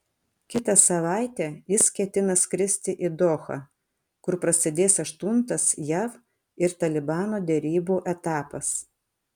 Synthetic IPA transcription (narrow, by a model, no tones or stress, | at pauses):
kʲɪt̪ɐsɐʋɑˑɪt̪ʲɛːjɪskʲɛt̪ʲɪnɐskɾʲɪsʲt̪ʲɪʔɪd̪ɔːxɐ̰ | kʊɾpɾɐsʲɪd̪ʲeːsɐʃt̪ʊnt̪ɐsjɛʋ | ɪɾt̪ɐlʲɪbɑːnoːd̪ʲɛɾʲiːbuːʔɛt̪ɑːpɐs